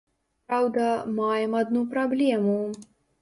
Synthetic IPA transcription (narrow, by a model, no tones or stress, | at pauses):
pɾawd̪ɐmajmɐd̪nupɾɔblʲeːmu